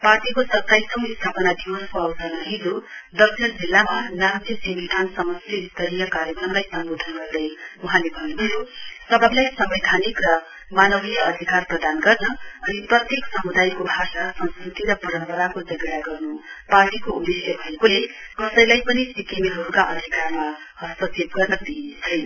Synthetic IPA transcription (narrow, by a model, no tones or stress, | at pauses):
parʈikosʌt̪ːajsʌmist̪ʰapʌnad̪iwʌskoʌwsʌrnʌɦid̪od̪ʌksʰʌnd͡zilːamanat̪ʰisimid̪ʱansʌmʌsliːst̪ʰʌɾijʌkaɾjʌkrʌmlajsʌmbod̪ʱʌnɡʌrd̪ʌjuɦãlebʱʌjuɦʌjusʌbʱʌblajsʌmbed̪ʱanikrʌ | manʌbijʌʌd̪ʱikarprʌd̪anɡʌrnʌːniprʌt̪jeksʌmud̪ajkobʱasasʌnskrit̪iɾʌpʌɾʌmpʌɾakod͡zʌɡɽjaɡʌrnuparʈikoubisjʌbʱʌekolekʌsʌjlajpʌnisikemiɦʌɾukaʔʌd̪ʱikarma | ɦʌsʌt͡seb̚ɡʌrnʌd̪it͡sʰʌjn